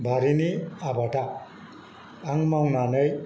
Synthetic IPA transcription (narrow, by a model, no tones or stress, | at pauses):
bʱaɾiniabʱaʈa | ŋmaŋnanʌj